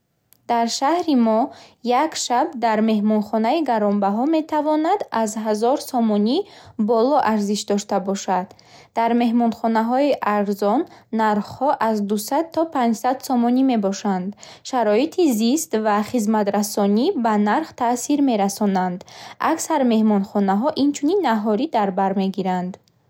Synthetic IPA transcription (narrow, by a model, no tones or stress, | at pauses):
d̪̥aɾʃahɾimɔjakʃab̚d̪aɾme̞ɦmɔnχɔnaiɡaɾɔmbaɦɔme̞t̪ʰavɔnad̪azɦazɔɾsɔmɔnibɔlɔʔaɾziʃd̪ɔʃt̪abɔʃad̪̥ː | aɾme̞ɦmɔnχɔnaɦɔiʔaɾzɔnːaɾχhɔʔazd̪usad̪̚t̪ʰːɔpʰãnd͡ʒsad̪sɔmɔnime̞bɔʃand̪ | ʃaɾɔit̪ʰizist̪vaχizmat̪ɾasɔnibanaɾχt̪ʰasiɾme̞ɾasɔnand̪aksaɾme̞hmɔnχɔnaɦɔʔint͡ʃʰuninːaɦɔɾid̪aɾbaɾme̞ɡiɾand̪